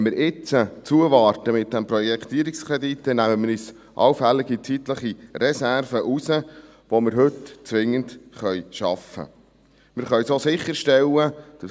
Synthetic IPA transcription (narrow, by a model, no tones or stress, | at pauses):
mɪɾʔɪt͡sət͡suəʋɑːɾtəmɪt̚d̥̪ɛmpɾɔjɛkʰt̪iəɾikskɾɛd̪it̪ːɛnæməməɾis | ʔɑ̰wfælːɪɡit͡sit̪ləχirɛsæɾvəʔusə | ʋomɪɾɦɵtt͡sʋɪŋːəndχœjʃɑfə̰ | mɪɾχœɥsosɪχːəɾʃtɛlːəd̪̥ə